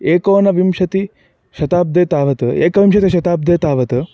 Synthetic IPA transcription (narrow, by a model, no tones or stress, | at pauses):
eːkoːnɐʋimʃɐt̪i | ʃɐt̪aːb̚d̪eːt̪aːʋɐt̪ɐḛːkɐʋimʃɐt̪iʃɐt̪aːb̚d̪eːt̪aːʋɐt̪ɐ